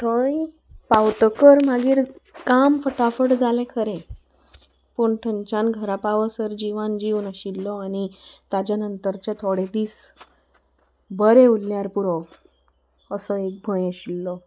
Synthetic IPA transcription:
ʈʰɔɭi | pawt̪əkəɾmaɡiːɾkamfəʈafəʈd͡zalɛ̃kʰəɾẽ | puɳʈʰəɲt͡ɕãnɡʱəɾapaʋəsəɾd͡ʑiʋand͡ʑiʋnaɕilːɔañit̪ad͡ʑanənt̪əɾt͡ɕat̪ʰoɽed̪iːs | bəɾeulːjaɾpuɾɔ | əsɔek̚bʱɔjɕilːɔ

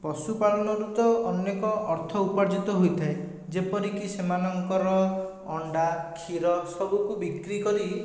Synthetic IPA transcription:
pɔsupalɔnɔɾut̪ɔɔnjekɔʔɔɾt̪ʰɔupaɾd͡ʒit̪ɔɦojt̪ʰae | d͡ʒepɔɾikisemanɔŋkɔɾɔ | ɔɳɖakʰiɾɔsɔbukubikɾikɔɾi

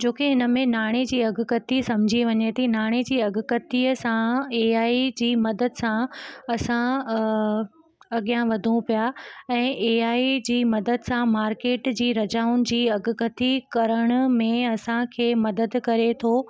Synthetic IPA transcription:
d͡ʑoːkeɦɪnə̆mẽnaːɽ̃ed͡ʑiːɐɡʱʊkɐt̪isɐ̃m̤d͡ʑʱiʋɐɲet̪ʰinaːɽ̃ed͡ʑiːɐɡʊ̆kɐt̪iəsãeːaːid͡ʑiːmɐd̪əd̪sãɐsã | ɐɠijãʋɐd̪ʱũpijaɛ̃ːʔeːaːid͡ʑiːmɐd̪əd̪sãmaːɾkeːʈd͡ʑiːɾɐd͡ʑaːʊnɪ̆d͡ʑiːɐɡʱʊkət̪ikɐɾəɽ̃ʊ̆mẽɐsãkʰeːmɐd̪əd̪kɐɾet̪ʰoː

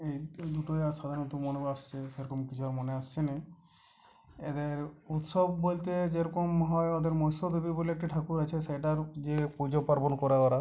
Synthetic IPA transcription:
ejd̪uʈoeasad̪ʱaɾnɔt̪umonebast͡ʃʰeseɾɔkɔmkit͡ʃʰuaɾmoneast͡ʃʰene | ed̪eɾut̪ʃɔbbolt̪ed͡ʒeɾɔkɔmɦɔjɔd̪eɾmɔjsod̪ʱubiboleek̚ʈiʈʰakuɾat͡ʃʰesajʈaɾd͡ʒepud͡ʒopaɾbɔnkɔɾaɔɾa

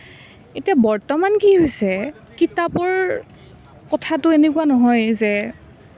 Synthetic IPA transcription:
etijabɔɹtɔmankiɦojsɛ | kitapɔɹ | kɔtʰatʊenekuanɔɦɔjzɛ

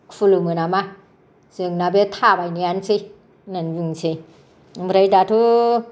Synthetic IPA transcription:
kfulumɯnama | zɯŋnabet̪ʰabajnijansɯj | nɯnbɯŋsʰej | bɾajdatʰu

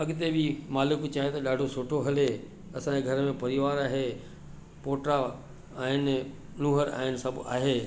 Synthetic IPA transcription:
ɐɠɪt̪ebʱimaːlɪkt͡ɕaːɦẽt̪ɐɗaːɖʱosʊʈʰoɦɐle | ɐsãd͡ʑeɡʱɐɾmẽpɐɾɪʋaːɾaːɦe | poːʈɾa | aːɦɪnɪ | nũːɦəɾa̰ːɦɪnɪsɐbʱʊa̰ːɦeː

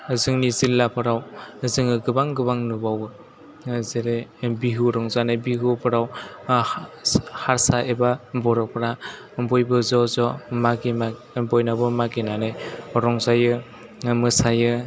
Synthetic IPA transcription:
zɯŋnizilːapʰɯɾawzɯŋɯɡɯbaŋɡɯbaŋnubawɯ | zeɾebiɦuɾɔŋzanajbiɦupʰɯɾaw | haɾsaʔebabɔɾɔpʰɯɾa | bɔjbɯzɔzɔmaɡima | bɔjnabɯmaɡinanɯjɾɔŋzajɯ | mɯsajɯ

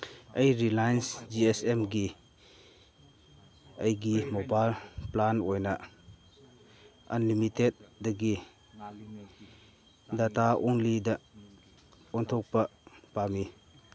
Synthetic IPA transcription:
ɐjɾilajnsd͡ʒiesemɡi | ɐjɡimobajlplanojnɐ | ɐnlimitet̚dɐɡi | dataʔɔŋlidɐ | ɔntʰɔk̚pɐpami

